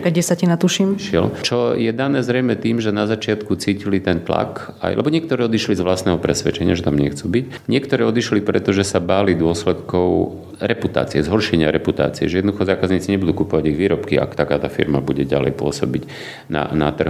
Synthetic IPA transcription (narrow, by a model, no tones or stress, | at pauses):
kɛsacinat̪uʃimʃɪɛ̰lt͡ʃɔjɛd̪anɛːzɾɛjmɛt̪iːmʒɛnazat͡ʃɪat̪kut͡siːcilit̪ɛnt̪la̰k | a̰jlʔɛbɔɲɪɛkt̪ɔɾɛːɔd̪iʃlizʋlast̪nɛːɦɔpɾɛsʋɛt͡ʃɛɲɪaʒɛt̪amɲɛxt͡subic | ɲɪɛkt̪ɔɾɛːɔd̪iʃlipɾɛt̪ɔʒɛsabaːlid̪ʊɔslɛt̪kɔʊ | ɾɛput̪a̰ːt͡siɛzɦɔɾʃɛɲɪaɾɛput̪a̰ːt͡siɛ̰ʒɛjɛd̪nɔd̪uxɔzaːkazɲiːt͡siɲɛbud̪ukupɔʋaɟiɣʋiːɾɔpkia̰kt̪akaːt̪afḭɾmabuɟɛɟa̰lɛ̰jpʊɔsɔbiɟ | na̰na̰t̪r̩ɦ